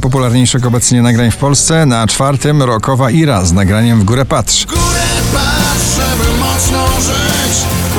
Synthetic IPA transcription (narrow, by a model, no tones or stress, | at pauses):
pɔp̬ulaɾɲejʂɘxɔbɛt̪sɲɛnaɡɾaɲfpɔlst̪sɛnat͡ʂfaɾt̪ɘmɾɔkɔvaʔiɾaznaɡɾaɲɛmvɡuɾɛpat̪ʂɡuɾɛpaʂɛvəmɔsnɔʐɪ | t͡ɕ